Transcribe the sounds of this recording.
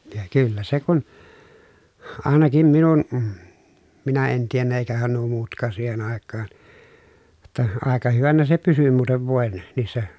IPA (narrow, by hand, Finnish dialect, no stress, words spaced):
jɑ kylːæ se kun ɑˑenɑkim minun minæ en tienːæ eˑikæhæn nuo muːtkˑɑːn̞ siːhen ɑˑekːɑːn j̆ŏtːɑ ɑˑekɑ hyʋænæ se pysy muːteʋ ʋoˑen niːsːæ